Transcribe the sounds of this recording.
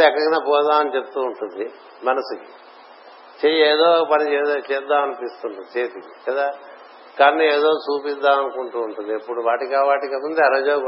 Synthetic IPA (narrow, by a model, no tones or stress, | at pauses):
ɛkːɐkɐnaːpɔːd̪aːmɐnit͡ʃep̚t̪uːɳʈund̪i | mɐnɐsiki | t͡ʃejeːd̪o̞ːpɐnit͡ʃɛːt͡ʃɛːd̪ːaːmɐnipist̪uɳut͡ʃeːt̪i | kɐd̪aː | kɐnːueːd̪o̞ːt͡ʃuːpid̪ːaːmɐnukuɳʈuːɳʈund̪iɐpːuɽuʋaːʈikaːʋaːʈikemund̪eɐɾɐd͡ʒoː